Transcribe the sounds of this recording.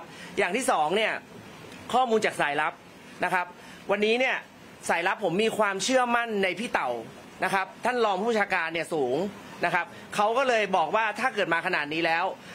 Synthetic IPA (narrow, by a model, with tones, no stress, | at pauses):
jaː˨˩ŋt̪ʰiː˥˩sɔː˩˦ŋni˥˩ɐ | kʰɔː˥˩muː˧nt͡ɕaː˨˩k̚saː˩˦jla˦˥p̚ | na˦˥kʰa˦˥p̚ | wa˧nːiː˦˥ni˥˩ɐ | saː˩˦jla˦˥pʰːo˩˦mːiː˧kʰwaː˧mt͡ɕʰɯ˥˩ɐma˥˩nːa˧jpʰiː˥˩t̪a˨˩w | na˦˥kʰa˦˥p̚t̪ʰa˥˩nlɔː˧ŋpʰu˥˩b̚t͡ɕʰaː˧kaː˧nːi˥˩ɐsuː˩˦ŋ | na˦˥kʰa˦˥p̚ | kʰa˦˥wkɔː˥˩lɤː˧jbɔː˨˩k̚waː˥˩t̪ʰaː˥˩kɤː˨˩t̪̚maː˧kʰa˧naː˨˩t̪̚niː˦˥lɛː˦˥w